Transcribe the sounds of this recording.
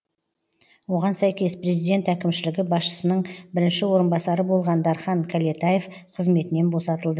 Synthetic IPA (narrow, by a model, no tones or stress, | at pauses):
wo̞ʁɑnsæjkʲe̞spre̞zijd̪e̞nt̪ækʲɪmʃɪlɪɡʲɪbɑsʃə̥sənəɴbɪɾɪnʃɪwo̞ɾənbɑsɑɾəbo̞lˠʁɑnd̪ɑɾχɑŋkʲʰalʲet̪aje̞f | qʰəzme̞t̪ɪne̞nbo̞sɑt̪əlˠd̪ə